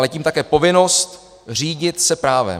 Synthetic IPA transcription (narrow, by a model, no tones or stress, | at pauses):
lɛciːmt̪akɛːpo̞vɪno̞st̪ | r̝iːɟɪt̪sɛpɾaːvɛ̰